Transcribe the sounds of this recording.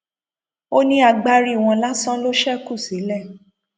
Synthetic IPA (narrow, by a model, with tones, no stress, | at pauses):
o˦nĩ˦a˧ɡ͡ba˦˧ɾi˦˨w̃ɔ̃˧la˦sã˦lo˦ʃɛ˦ku˦˨si˨˦lɛ˦˨